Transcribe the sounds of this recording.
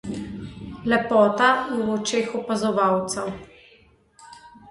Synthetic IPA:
lɛpɔːt̪aɛɔt͡ʃeːxɔpazɔʋawt̪sɛw

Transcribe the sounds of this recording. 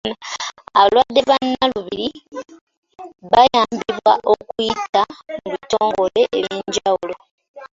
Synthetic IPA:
aaβalwadːe̞βanːaluβiɾi | βajaːmbiβwaʔo̞kujitamuβito̞ːŋɡo̞le̞ʔːβjiːɲɟawulo̞

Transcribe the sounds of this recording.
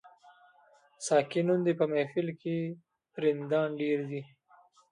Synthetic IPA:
sɑːkinund̪epəmefɪlke | ɾɪnd̪ɑːnɖeːɾd̪i

